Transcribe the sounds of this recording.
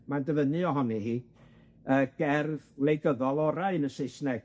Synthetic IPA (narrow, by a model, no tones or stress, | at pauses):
mandəvənɨɔɦɔnihiː | əːɡ̥ɛrvlejɡəðɔlˠɔɾaɨnəseɨsnɛ